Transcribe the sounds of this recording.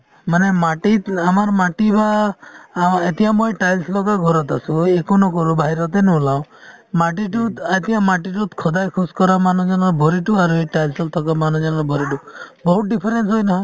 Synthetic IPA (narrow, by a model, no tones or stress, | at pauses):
manemaʈiamaɾmaʈiba | et̪iãmɔjʈajlslɔkaɡʱɔɾɔt̪asũekɔnɔkɔɾubaɦiɾɔt̪enɔlaw̃ | maʈiʈud̪at̪iãmaʈiʈut̪kʰɔd̪ajkʰuskɔɾamanɔ̃d͡ʒɔnɔɾbʱɔɾiʈuaɾueʈajlsɔlt̪ʰɔkamanɔ̃d͡ʒɔnɔɾbʱɔɾiʈubɔɦut̪̚ɖipʰɔɾensɦɔjnɔɦɔ̃j